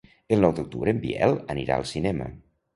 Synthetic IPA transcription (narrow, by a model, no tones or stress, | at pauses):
əlˠnɔwd̪uk̚t̪uβɾəːmbḭɛlˠəniɾa̰əlˠsinɛmə̰